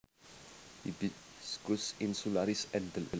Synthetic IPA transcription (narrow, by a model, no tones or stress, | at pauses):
ibiskusinsulaɾisɛnd̪ələ